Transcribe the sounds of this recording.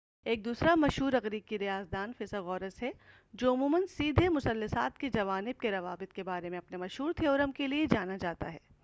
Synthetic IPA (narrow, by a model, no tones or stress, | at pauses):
eːk̚d̪uːsɾamɐʃɦuːɾɐɣɾiːb̚kiɾijaːzd̪aːnfɪsaɣɔːɾəsɦɛ | d͡ʒoːʊmuːmənsiːd̪ʱemʊsɐlːɐsaːt̪ked͡ʒɐʋaːnɪb̚keɾɐʋaːbɪt̪̚kebaːɾemẽɐpnemɐʃɦuːɾt̪ʰeɔːɾɐmkelied͡ʒaːnad͡ʒaːt̪a̰ɦɛː